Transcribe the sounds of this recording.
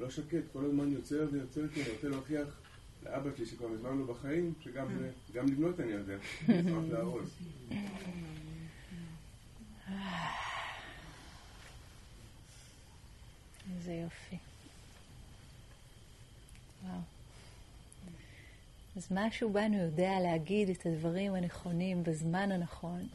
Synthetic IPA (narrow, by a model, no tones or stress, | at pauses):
lo̞ʃake̞t̪ko̞lazmanjo̞t͡seʁvejot͡seʁkianiʁot͡seloaχiaχ | lḛʔabaʃliʃekvaʁlizmanlo̞baχaimʃeɡamze | ɡamlivno̞t̪anijod̪eazazeaol | a | zejofi | waw | azmaʃubanujo̞dealeaɡidetʰadvaʁimane̞χo̞nimbazmananaχo̞n